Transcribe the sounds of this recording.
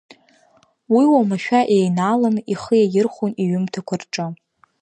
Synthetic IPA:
wiwamaʃᶣaʔejnalamiχəjajɪrχʷoniɥʏmtʰakʷʰarʈ͡ʂʼɨ

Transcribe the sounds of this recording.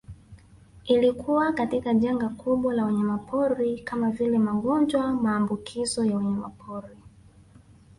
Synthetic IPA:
ilikuwakatikaʄaŋɡakuɓwalawɛɲɛmapʰɔɾikamavilɛmaɡɔnd͡ʒwamaːmbukʰizɔjawɛɲɛmapʰɔɾi

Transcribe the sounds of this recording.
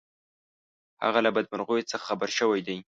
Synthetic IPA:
ha̰ɣalabad̪̚maɾɣujet͡səxḁxabaɾʃəwajd̪aj

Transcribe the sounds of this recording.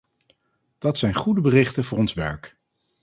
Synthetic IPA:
d̥ɑtsɛjnχudəbərɪχtənvʊːɹɔnsʋɛ̰ɹk

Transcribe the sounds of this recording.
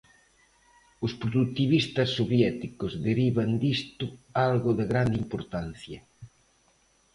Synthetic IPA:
ʊspɾoðut̪iβist̪ɐsːoβjɛt̪ikʊzðeɾiβand̪ist̪ʊalɣʊðɪɣɾand̪impoɾt̪an̟θjɐ

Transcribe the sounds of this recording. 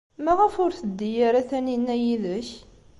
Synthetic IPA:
mæʁəfʊɾθəd̪ːijæɾæθæninːæjiðəç

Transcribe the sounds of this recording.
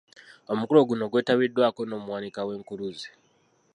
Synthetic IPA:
o̞mukulo̞ɡuno̞ɡwe̞ːtaβidwaːko̞no̞ːmuwanikawe̞ːŋkuɾuzi

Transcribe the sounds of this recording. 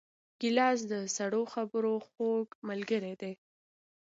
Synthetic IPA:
ɡ̥ɪlɑs̬d̪əsaɽoxabəɾoxoɡmalɡəɾed̪e

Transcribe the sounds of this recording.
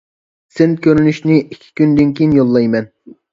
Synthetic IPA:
senkʲøɾynyʃnɪʔikʲʰːi̥kʲynd̪ynkʲejinjolˠːɑjmɛn

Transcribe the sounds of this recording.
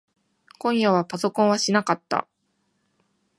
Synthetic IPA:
kõ̞ɰ̃jaβapaso̞kõ̞ɰ̃βaɕinakat̪ːa̰

